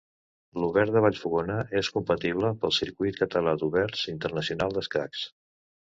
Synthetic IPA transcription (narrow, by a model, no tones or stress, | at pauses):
luβɛɾd̪əβaʎfuɣonəʔeskumpət̪iβ̞ləpəlˠsiɾkujt̪̚kət̪əlad̪uβɛɾzint̪ərnəsiunalˠd̪əskɾa̰ks